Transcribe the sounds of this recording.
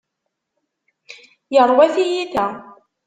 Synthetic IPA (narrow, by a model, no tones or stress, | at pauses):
jəɾˤwæθijiθæ